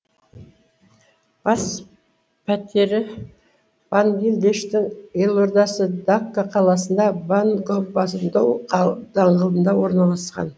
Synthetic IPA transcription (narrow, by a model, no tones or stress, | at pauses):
b̥ɑs | pʰæt̪eɾɪ | b̥anɡʲilʲd̪eʃt̪ɪŋe̞lˠo̞ɾd̪ɑsəd̪akːaqʰɑlˠɑs̬ənd̪ɑbanɡopbɑsənd̪ɑwd̪ɑɴʁəlˠd̪ənd̪ɑwo̞ɾnɑlˠɑsqɑ̰n